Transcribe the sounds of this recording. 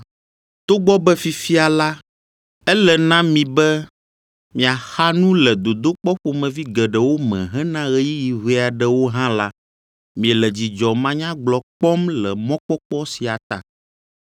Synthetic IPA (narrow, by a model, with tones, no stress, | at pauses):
t̪o˦ɡ͡bɔ˦bɛ˦fi˨fi˦a˨la˦ | ɛ˦lɛ˨nã˦mĩ˨bɛ˦ | mĩ˨a˨xa˦nũ˦lɛ˨d̪o˨d̪o˦k͡pɔ˦ɸo˨mɛ̃˨vi˦ɡɛ˨ɖɛ˨wo˦mɛ̰̃˨ɦɛ̃˦nã˦ɣɛ˦ji˦ji˨ɦe˦˨a˨ɖɛ˦wo˦ɦã˦la˦ | mĩ˨ɛ˨lɛ˨d͡ʑi˨d͡ʒɔ˨mã˦ɲã˦ɡ͡blɔ˨k͡pɔ˦mlɛ˨mɔ̃˦k͡pɔ˦k͡pɔ˦si˨a˨t̪a̰˨